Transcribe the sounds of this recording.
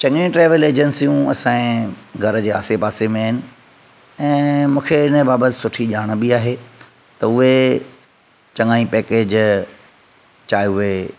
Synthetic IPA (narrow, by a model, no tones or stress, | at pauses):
t͡ɕɐ̃ŋĩʈɾeːʋəleːd͡ʑənsijũɐ̰sãːĩɡʱɐɾəd͡ʑeːa̰ːsepaːsemẽaːɦɪnɪ̆ | ɛ̃ːmũːkʰeɪnəbaːbət̪ɪ̥sʊʈʰiʄaːɽ̃̆bɪaːɦe | t̪ɐʊɦe | t͡ɕɐ̃ŋaːĩpɛːkeːd͡ʑ | t͡ɕaːjʊɦe